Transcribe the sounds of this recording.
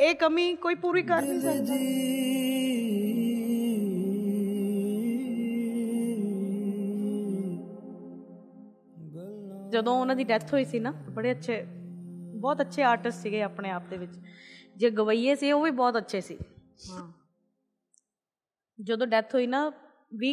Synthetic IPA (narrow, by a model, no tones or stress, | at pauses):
eːkəmĩːkoːiːpuːɾiːkəɾnĩːsə | d͡ʒəd̪õːʊnãːd̪iːɖɛt̪ʰɦoːiːsiːnãːbəɽeːətːʃʰeː | bɔːt̪ətːʃʰeːaːɾʈəsʈsiːɡeːaːpɳeːaːp̚d̪eːʋɪt͡ʃd͡ʒeːɡəʋaːiːeːsiːoːʋiːbɔːt̪ətːʃʰeːsḭː | ɦãː | d͡ʒəd̪õːɖɛt̪ʰɦoːiːnaː | ʋiː